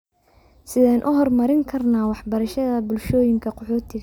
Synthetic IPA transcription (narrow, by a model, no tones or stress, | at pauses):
sɪðaːnʔʊɦɔrmɐɾɪŋkʰɐrnaːwɑħbɐɾɐʃɐðɐbʊlʃɔːjɪŋkʰɐqɔħɔːt̪ʰɪɣ